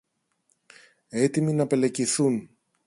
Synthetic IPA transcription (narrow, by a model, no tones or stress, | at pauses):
e̞t̪iminɐpe̞le̞ciθun